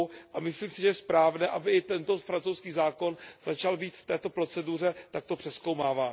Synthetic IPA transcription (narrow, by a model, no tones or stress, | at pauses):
ʔamɪsliːmsɪʒɛjɛspɾaːvnɛːʔabɪʔɪt̪ɛnt̪o̞fɾant͡sowskiːzaːko̞nz̥at͡ʃalbiːt̪ft̪ɛːt̪o̞pɾo̞t͡sɛdur̝ɛt̪ak̚t̪o̞pr̥ɛskowmaːvaː